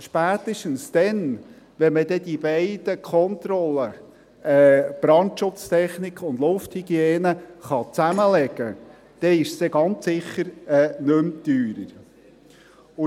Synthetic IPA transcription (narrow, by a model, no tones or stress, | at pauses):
ʃpæːt̪əʃtən̩sd̪̥ɛn | ʋɛnməd̥̪ɛd̥̪ibeɪd̥̪əkʰɔnt̪ɾɔlːə | ɛb̥ɾɑntʃʊt͡st̪ʰɛχnikχʊnd̪lʊfthiɡ̥jeːnəχɑt͡sæməlɛɡ̥ə | d̥ɛɪʃstɛɡɑnt͡ssɪχːəɾɛːnɵmt̪yːɾəɾ | ʊ